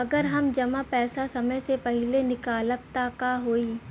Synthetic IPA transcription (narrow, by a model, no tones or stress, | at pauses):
ɐɡəɾɦɐmd͡ʒɐmapɛːsasɐməjsepɐɦɪlenɪkaːləp̚t̪akaɦoːiː